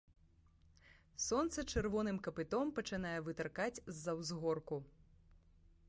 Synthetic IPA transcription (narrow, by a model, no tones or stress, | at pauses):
sɔnt̪sɐt͡ʂɛrvɔnɨmkɐpɨt̪ɔmpɐt͡ʂɨn̪ajɛvɨt̪ɐrkat͡sʲzːɐwzɣɔrku